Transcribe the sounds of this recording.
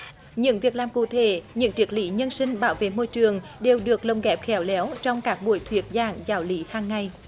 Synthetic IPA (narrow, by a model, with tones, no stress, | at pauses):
ɲɨ̰˧˥ŋvi˨˩ək̚laː˨˩mkṵ˧˨t̪ʰe˧˩˦ɲɨ̰˧˥ŋt͡ɕi˨˦˥ək̚lḭ˧˦ɲə˧nsï˧ŋ̟ɓaː˧˦wvḛ˧˨mo˧jt͡ɕɨ˨˩əŋɗe˨˩wɗɨ˨˩ək̚lə˨˩wŋ͡mɣɛ˨˥p̚xɛ˨˦wlɛ˨˦wt͡ɕɔ˧wŋ͡mkaː˦˥k̚ɓu˧˩əjt̪ʰwi˨˩ət̚zaː˨˩ŋzaː˨˦wli˨˦haː˨˩ŋːa˧˩j